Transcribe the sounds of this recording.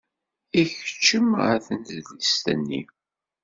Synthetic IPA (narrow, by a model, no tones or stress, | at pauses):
içə̥t͡ʃːəməθənðlist̪ə̰nːḭ